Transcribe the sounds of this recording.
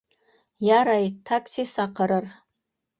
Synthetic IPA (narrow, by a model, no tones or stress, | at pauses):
jaɾajtʰakʰsisaqʰəɾər